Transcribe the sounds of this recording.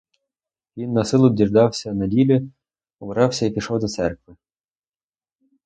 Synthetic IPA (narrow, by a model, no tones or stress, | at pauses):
ʋʲinːɐsɪlˠʊdʲird̪ɑwsʲɐnɐdʲilʲi | ɔbɾɑwsʲɐipʲiʃɔwd̪ɔt̪sɛrkʋɪ